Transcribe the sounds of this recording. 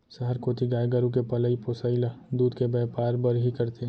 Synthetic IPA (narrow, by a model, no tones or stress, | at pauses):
sɐɦəɾkoːt̪ʰiɡaːjɡaɾuk̬epɐləiposaɪlad̪uːd̪kebɛːpaːɾbəɾɦikɐɾt̪eɦɛ̃